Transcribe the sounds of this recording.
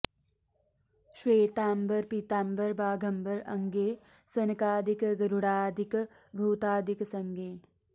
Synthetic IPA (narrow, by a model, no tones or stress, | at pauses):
ʃweːt̪aːmbɐɾpit̪aːmbəɾbaːɡʱɐmbɐɾɐŋɡeː | sɐnɐkaːd̪ikɡɐɾuɽaːd̪ʱik | bʱuːt̪aːd̪ʱiksɐŋɡeː